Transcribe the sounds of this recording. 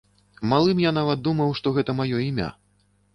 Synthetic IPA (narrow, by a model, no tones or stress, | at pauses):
malˠɨmjanavɐt̪̚d̪umɐwʂt̪ɔɣɛt̪ɐmajɔimʲa̰